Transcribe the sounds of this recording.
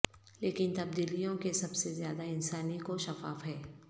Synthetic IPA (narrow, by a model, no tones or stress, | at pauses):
leːkɪnt̪ɐb̚d̪iːlijõkesɐbsezjaːd̪aɪnsaːnikoʃɐfaːfɦɛː